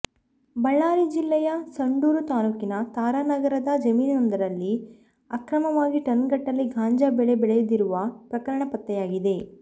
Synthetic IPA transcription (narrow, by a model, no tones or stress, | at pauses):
bɐɭːaːɾid͡ʒilːɛjɐsɐɳɖuːɾut̪aːlukinɐt̪aːɾanɐɡɐɾɐd̪ɐd͡ʒɐmiːnnɐnd̪ɐɾɐlːi | ɐkɾɐmɐʋaːɡiʈɐnɡɐʈːɐlːiɡʱaːɲd͡ʒaːbɛɭebɛɭɛjud̪iɾuʋɐpɾɐkɐɾɐɳɐpɐt̪ːɛjaːɡid̪e̞